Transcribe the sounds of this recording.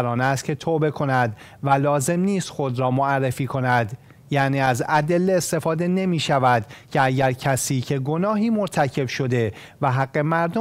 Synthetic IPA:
ɾɒːnæst̪̚cʲʰe̞t̪ʰoːbe̞kʰo̞næd̪ | vælɒːze̞mniːst̪xo̞d̪ɾɒːmoærːe̞fiːkʰo̞næd̪ | jæniːæzæd̪e̞lːeest̪e̞fɒːd̪e̞ne̞miːʃævæd̪cʰe̞æɟæɾcʰæsiːcʰe̞ɡo̞nɒːɦiːmoɾt̪ʰæcʰe̞bʃo̞d̪e̞ | væɦæɡːe̞mæɾd̪o

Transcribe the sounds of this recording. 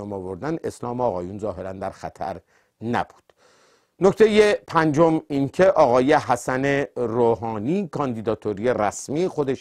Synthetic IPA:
omɒːvoɾd̪ænd̪e̞slɒːmeɒːɣɒːjunzɒːɦe̞ɾænd̪æɾxæt̪ʰæ̰ɾ | næ̰b̥u̥d̪̥ | no̞kt̪ʰe̞jepʰænd͡ʒominkʰeʔɒːɣɒːje̞hæsæneɾoːɦɒːniːkʰɒːnd̪id̪ɒːt̪ʰoɾijeɾæsmiːexod̪eʃ

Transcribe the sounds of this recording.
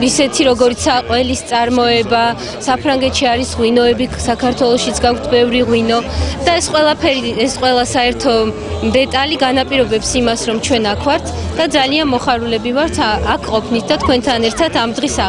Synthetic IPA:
isɛt̪ʰiɾɔɡɔɾit̪sʰaqʼwɛlist̪sʼaɾmɔɛba | sapʰɾaŋɡɛt̪ʰʃiaɾisʁwinɔɛbisakʰaɾt̪ʰwɛlˠɔʃit̪sʰɡakʷʰt̪ʰbɛvɾiʁwinɔd̪̥aɛsqʼwɛlˠapʰɛɾiɛsqʼwɛlˠasaɛɾt̪ʰɔ | md̪ɛt̪ʼaliɡanapʼiɾɔbɛpsimasɾɔmt͡ʃʰwɛnakʰvaɾt̪ʰ | d̪ad̪zalianmɔχaɾulɛbivaɾt̪ʰakʰqʼɔpʰnit̪ʰd̪at̪ʰkʰwɛnt̪ʰanɛɾt̪ʰat̪ʰamd̪ʁisa

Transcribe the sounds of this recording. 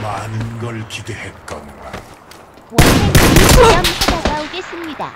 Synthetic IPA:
manɯnɡʌɭkidehet̚k͈ʌnɡa̰

